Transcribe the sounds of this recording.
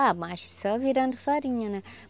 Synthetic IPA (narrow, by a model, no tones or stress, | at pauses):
amaʃsɔviɾɐ̃nd̪ufaɾiɲɐnɐ̃